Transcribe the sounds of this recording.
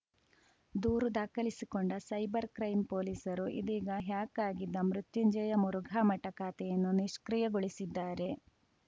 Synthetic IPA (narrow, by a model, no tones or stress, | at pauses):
d̪uːɾud̪aːkɐlisikoɳɖɐsɐjbɐɾkɾɐjmpoːliːsɐɾuʔḭd̪iːɡɐɦjaːkaːɡid̪ːɐmɾut̪juɲd͡ʒɐjɐmuɾuɡʱaːmɐʈɐkaːt̪ɛjɐnːuniʂkɾijɐɡoɭisid̪ːaːɾe̞